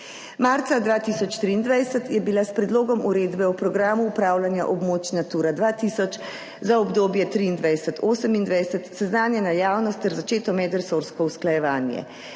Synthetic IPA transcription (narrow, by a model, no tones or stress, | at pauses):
maːɾt̪sad̪ʋaːt̪iːsɔt͡ʃt̪ɾiːnd̪ʋajsət̪jɛbilaspɾɛd̪loːɡɔmuɾeːd̪bɛupɾɔɡɾaːmuːpɾaːwlanjaʔɔbmoːt͡ʃnat̪uːɾad̪ʋaːt̪iːsɔt͡ʃ | zaɔbd̪oːbjɛt̪ɾiːnd̪ʋajsɛt̪ʰoːsəmind̪ʋajsət̪sɛznaːnjɛnajaːwnɔst̪ːɛɾzat͡ʃeːt̪ɔmɛd̪ɾɛsoɾskɔusklajɛʋaːnjɛ̰